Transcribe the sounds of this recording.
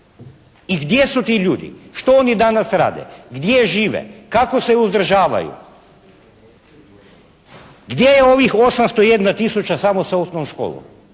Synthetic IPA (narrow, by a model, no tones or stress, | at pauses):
iɡd̪je̞sut̪iːʎuːd̪ḭʃt̪o̞onid̪anasɾa̰ːd̪ḛɡd̪jeʒiːʋḛkako̞se̞uzd̪ɾ̩ʒaːʋa̰jṵ | ɡd̪je̞jeo̞ʋixo̞samst̪oije̞d̪nat̪isut͡ɕasamosaosnoʃko̰ːlˠo̰m